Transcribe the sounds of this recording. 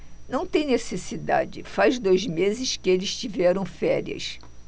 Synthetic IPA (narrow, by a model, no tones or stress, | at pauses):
nɐ̃w̃t̪ẽj̃nesesid̪a̰d͡ʒɪfajzd̪ojzmezɪʃkɪelɪst͡ʃivɛɾɐ̃w̃fɛɾiɐ̰s